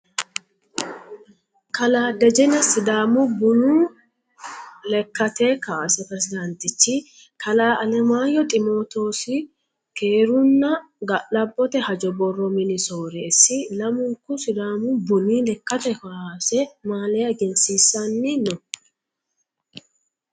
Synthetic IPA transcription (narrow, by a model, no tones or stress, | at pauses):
kɐlaːd̪ɛd͡ʒɛnɐsɪd̪aːmʊbʊnuː | lɛkːɐt̪ekaːsɛpɾɛsɪd̪ɐnt̪ɪt͡ʃːɪ | kʰɐlaːʔɐlɛmaːjɔt̪ʼɪmo̞ːt̪o̞ːsɪ | keːɾʊnːɐ | ɡɐʔɐbːɔt̪ɛhɐd͡ʒɔbɔrːɔmɪnɪsoːɾɛːsːɪlɐmʊŋkʊsɪd̪aːmʊbʊniːlɛkːɐt̪ɛkasɛmaːlɛjɐɡɛnsiːsːɐnːɪnɔ